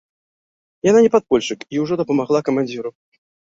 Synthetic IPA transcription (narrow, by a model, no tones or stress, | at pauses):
jananʲɛpat̪̚pɔlʲʂɨkiwʐɔd̪ɐpɐmaʁlˠakɐmanʲd͡zʲiɾu